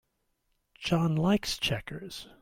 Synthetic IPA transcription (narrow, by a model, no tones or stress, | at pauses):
d͡ʒ̥ɑ̃nlaɪkst͡ʃʰɛkə˞z̥